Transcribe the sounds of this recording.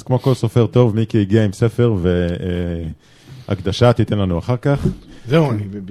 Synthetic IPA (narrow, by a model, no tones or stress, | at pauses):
z̥kmo̞ko̞lsofeʁt̪o̞vmikiiɡiaimse̞fe̞ʁvee | a̰kd̪aʃat̪it̪enlanuaχaʁkaχzeuani